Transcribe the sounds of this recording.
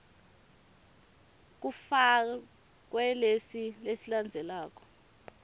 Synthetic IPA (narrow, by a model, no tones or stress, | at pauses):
k̬ufa | k̬ʼwɛlesilesiland͡zʱɛlaːk̬ʼɔ̥